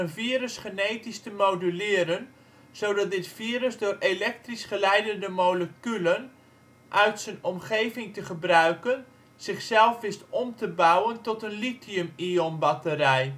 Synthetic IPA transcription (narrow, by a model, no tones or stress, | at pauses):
ənviəɾəsχənejtistəmowdylɪːɾən | z̥owdɑt̚dɪtfiːɾəsdʊːrelɛk̚trisχəlɛjdəndəmoləkylən | ʔœɥtsənɔmχejvɪŋtəχəbrœɥkən | z̥ɪχsɛlˠfʋɪstɔmtəbawəntɔtənlitiəmionbɑtərɛj